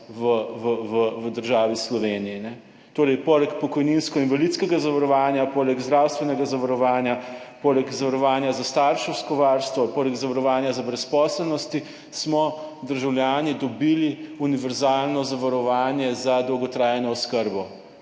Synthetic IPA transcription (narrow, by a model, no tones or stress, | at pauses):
ʋəʋəʋəʋəd̪əɾʒaːʋislɔʋeːniinɛ | t̪oːɾɛjpoːlɛkpɔkɔjninskɔinʋalit̪skɛɡazaʋaɾɔʋaːnjapoːlɛɡzd̪ɾawst̪ʋɛnɛɡazaʋaɾɔʋaːnjapoːlɛɡzaʋaɾɔʋaːnjazast̪aːɾʃɛwskɔʋaːɾst̪ʋɔpoːlɛɡzaʋaɾɔʋaːnjazabɾɛspɔːslɛlnɔst̪i | smɔd̪əɾʒawlʲjaːnid̪ɔbiliuniʋɛɾzaːlnɔzaʋaɾɔʋaːnjɛzad̪owɡɔt̪ɾaːjɛnɔɔskəɾbɔ